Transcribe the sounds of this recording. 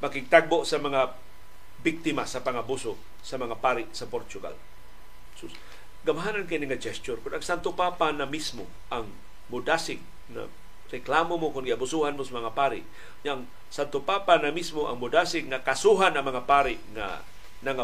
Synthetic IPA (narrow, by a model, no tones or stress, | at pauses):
makɪɡ̚t̪aɡ̚boʔsamaŋa | bik̚t̪ɪmasapaŋabusʊ | samaŋapaɾɪʔsapoɾt͡ʃʊɡa̰l | su | ɡamɦanankiniŋad͡ʒɛst͡ʃʊrkʊnaŋsant̪ʊpapanamismo | ʔaŋ | mʊdasɪɡ | ŋa̰ | ɾɛklamomokʊnɡiabusuhanmosamaŋapaɾɪ̰ʔ | ɲaʔaŋ | sant̪ʊpapanamismoʔa̰ŋmʊdasɪɡːakasuɦanaŋmaŋapaɾɪʔŋa̰ | naŋa